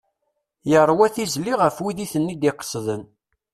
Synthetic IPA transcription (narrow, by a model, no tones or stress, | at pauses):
jəɾˤːwæθizliʁəfwiðiθənːid̪iqə̥sðən